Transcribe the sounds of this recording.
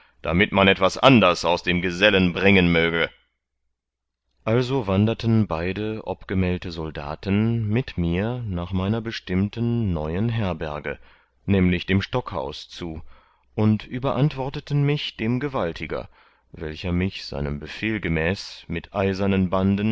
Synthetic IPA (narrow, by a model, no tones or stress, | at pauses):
d̥a̰mɪtmanɛtv̥asʔandɐsaʊsd̥eːmɡəzɛlənbʁɪŋənmøːɡə | ʔalzovandɐtənbaɪdəʔɔ̰pɡ̥əmɛːltəzɔlda̰ːtən̩mɪtmiːɐnaːχmaɪnɐbəʃtɪmtənːɔʏənɦɛɐbɛɐɡə̰ | nɛːmlɪçd̥eːmʃtɔkha̰ʊst͡suː | ʔʊntʔyːbɐʔantv̥ɔɐtətən̩mɪçd̥eːmɡəvaltʰɪɡɐ̰ | vɛlçɐmɪçz̥a̰ɪnəmbəfeːlɡəmɛːsmɪtʔaɪzɐnənbandən